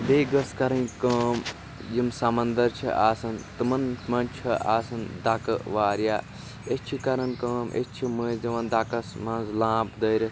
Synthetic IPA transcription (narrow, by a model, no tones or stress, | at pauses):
beːɡɐskɐɾɐnkəːm | jimsɐmɐnd̪ɐɾt͡ʃʰḭʔaːsɐnt̪ɨmɐnmɐnt͡ʃʰiʔa̰ːsɐnd̪ɐkɐʋaːɾjaː | et͡ʃʰikɐɾɐnkəːmʔḛt͡ʃʰiməziʋɐ̃nd̪ɐkɐsmɐ̃nzlãːpd̪ɐːɾi